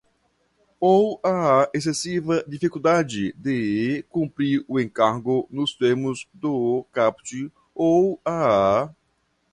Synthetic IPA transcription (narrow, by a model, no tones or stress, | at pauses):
owaaes̬esivɐd̪ifikuld̪ad͡ʒɪd̪ɪkũmpɾiɾʊẽŋkaɾɡʊnʊst̪eɾmʊzd̪ʊkapt͡ʃi | owaa